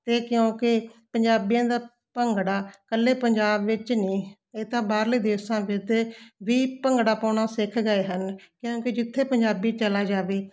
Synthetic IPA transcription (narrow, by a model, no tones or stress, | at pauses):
t̪eːkjõːkɪpəɲd͡ʒaːbijãːd̪aː | pəŋɡɽaːkəlːeːpəɲd͡ʒaːbʋɪt͡ʃniː | eːt̪ãːbaːɾləiːd̪eːsãːʋɪt̪eːʋiːpəŋɡɽaːpəːɳ̃aːsɪkʰɡəeːɦənkjõːkɪd͡ʒɪt̪ʰːeːpəɲd͡ʒaːbiːt͡ʃəlaːd͡ʒaːʋeː